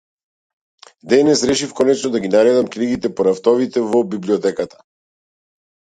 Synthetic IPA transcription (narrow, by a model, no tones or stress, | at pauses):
d̪ɛnɛsɾɛʃifkɔnɛt͡ʃnɔd̪aɡinaɾɛd̪amkniɡit̪ɛpɔɾaft̪ɔvit̪ɛvɔbibliɔt̪ɛkat̪ḁ